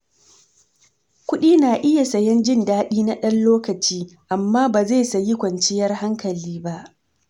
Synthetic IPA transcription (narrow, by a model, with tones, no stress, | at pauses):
kʷʊ˦ɗiː˦naː˨ʔɪ˦ja˨sɐ˨jɛ˦nd͡ʒɪ˦ndaː˦ɗiː˦na˦ɗɐ˦nloː˦kɐ˨t͡ʃiː˦ʔa˨mːaː˦baː˨ze˦˨sɐ˨ji˦kʷɐ˨nt͡ʃɪ˦jɐ˦rha˦ŋkɐ˨liː˦ba˦ʔ